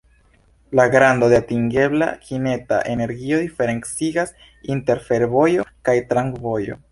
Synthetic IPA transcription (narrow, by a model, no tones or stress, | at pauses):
laɡɾando̞deatiŋɡe̞bla̰kine̞ta̰ʔene̞ɾɡio̞d̪ife̞ɾe̞nt͡siɡas | inte̞ɾfe̞ɾbo̞jo̞kajtɾaŋkvo̞jo̞̰